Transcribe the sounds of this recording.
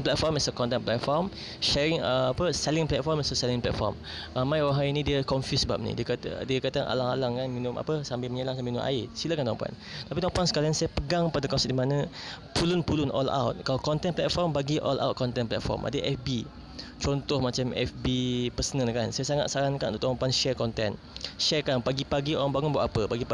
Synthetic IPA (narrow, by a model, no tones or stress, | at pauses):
nplɛt̪̚fɔrmɛsəkɔnt̪̬ɛnplɛt̪̚fɔrm | ʃɛɾɪŋəapəsɛlɪŋplɛt̪̚fɔrmɛsəsɛliŋplɛ̰tfɔ̰rm | ɾamãjwaɦajinĩdiəkɔnfjusəba̰p̚nḭdiəkat̪ə̰diəkat̪əanʔa̰laŋalaŋkanminʊma̰pəsambɪlməɲəlaŋsamiinʊ̰ʔa̰ɪsilakant̪ɔ̃mpua̰n | t̪apit̪ɔmpansə̥kaɾaŋsajapəɡaŋpadaəkɔnsɛt̚dimanəpulʊnpulʊnʔɔ̰la̰wt̪̚kalakɔnt̪ɛnplɛt̪̚fɔrmbaɡiʔɔ̰lʔa̰wt̚kɔnt̪ɛnplɛ̰t̪̚fɔ̰rmʔa̰dəʔɛfbi | t͡ʃɔnt̪ɔhmat͡ʃamɛ̰fbipəsənəlkansajasaŋa̰t̪̚saɾaŋkant̪ut̪ɔ̃mpanʃɛrkɔnt̪ɛn | ʃɛrkanpaɡipaɡiʔɔnbaŋʊnbaʔapəbaɡi